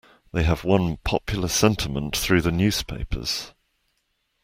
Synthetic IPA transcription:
ðeɪəvwʌ̃npʰɒ̰pʰjl̩ˠəsɛ̃ntʰɪmə̃nʔθɹʉːðənjʉːz̥pʰeɪpʰə̰z̥

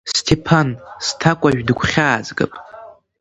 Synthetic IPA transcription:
stʰepʰanstʰakʷʼaʒᶣdɨɡʷʰχʲaːzɡɨ̰pʼ

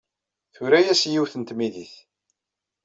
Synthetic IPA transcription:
θʊɾæjæsjiwθənt̪miðiθ

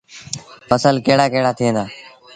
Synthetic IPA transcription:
fəsəlkeːɽaːkeɦɽaːt̪ʰɪẽːnd̪aː

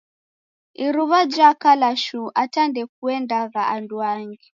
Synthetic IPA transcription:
iɾuβad͡ʒakalaʃuʔatandɛk̚uɛndaɣaanduaŋɡi

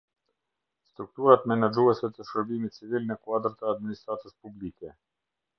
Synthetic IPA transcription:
st̪ɾuk̚t̪uɾat̪mɛnad͡ʒuɛsɛt̪əʃəɾbimit̪̚t͡sivilnəkuad̪ɾt̪əad̪minist̪ɾat̪əspublikɛ

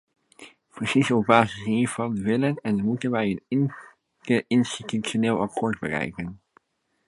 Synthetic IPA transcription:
pəsizəɔb̚baːzɪsiːɹvɑndəʋɪlənɛnmutənʋɛjən | əʔɪnstitysjoneːlˠɑkʰoːɹd̚bərɛ̰jkən

